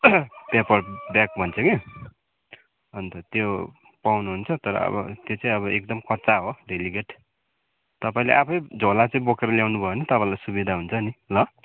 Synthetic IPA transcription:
pepʌrbjak̚bʱʌnt͡sʰʌke | ɦʌnt̪ʌt̪jo | pawnuɦunt͡sʰʌt̪ʌɾʌ̰ʌ̰bʌ̰t̪jot͡sãĩʌβʌek̚d̪ʌmkʌt͡saɦoɖʱeliɡeʈ | t̪ʌpaĩleʔapʰʌjd͡zʱolat͡sʌĩbokeɾʌljawnubʱʌeonit̪ʌpãĩlajsubid̪ʱaɦunt͡sʰʌnilʌ

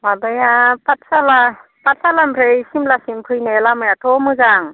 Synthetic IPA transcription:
mabajapatsala | pat̚salampʰɾejsimlasimpʰɯjnelamɯjatʰɔmɯzaŋ

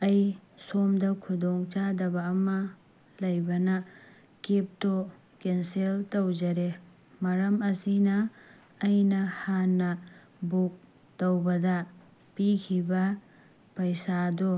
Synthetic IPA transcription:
ɐjsomdɐkʰudoŋt͡ʃadɐbɐːmɐ | lɐjbɐnɐ | kep̚to | kenseltɐwd͡ʒɐɾe | mɐɾɐmɐsinɐː | jnɐhanːɐ | buk̚ | tɐwbɐdɐ | pikʰibɐ | pɐjsado

